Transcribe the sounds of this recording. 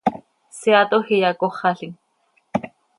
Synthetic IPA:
siɑt̪ohijɑkoχɑɬiŋ

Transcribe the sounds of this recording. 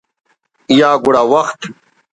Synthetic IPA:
jaːɡuɽaːwɐxt̪

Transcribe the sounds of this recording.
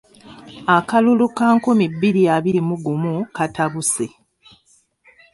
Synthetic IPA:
akalulukaːŋkumibːiɾijaβiɾimuɡumukataβuse

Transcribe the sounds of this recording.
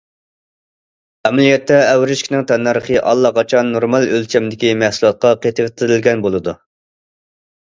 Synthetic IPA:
ɛmɛlijɛt̪ʰːɛːwɾɪʃkʲinɪŋt̪ʰɑnːɑɾəχəʔɑlˠːɑqʰɑt͡ʃʰɑnːoɾmɑlˠølt͡ʃʰɛmd̪ɪkʲimæhsulˠɑt̪̚qɑqʰet̪ʰɨvɪt̪ʰɪɾɪlɡʲɛnbolˠɨd̪u

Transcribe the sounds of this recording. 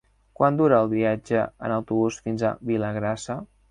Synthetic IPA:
kwʔand̪uɾəːlˠβiad͡ʒəə̰nəwt̪uβusfinza̰βiləɣɾasə

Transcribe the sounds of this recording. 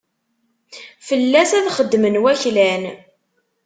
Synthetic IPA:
fəlːæsæðχəd̪ːmənwæçlæn

